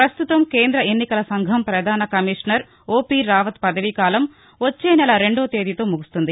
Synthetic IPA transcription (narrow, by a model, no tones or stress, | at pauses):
pɾɐst̪ut̪ɐmkeːnd̪ɾɐenːikɐlɐsɐŋɡʱɐmpɾɐd̪ʱaːnɐkɐmiʂnɐɾ | oːpiːɾaːʋɐt̪pɐd̪ɐʋikaːlɐm | ʋot͡ʃːeːnɛlɐɾe̞ɳɖoːt̪e̞ːd̪it̪o̞ːmuɡust̪und̪i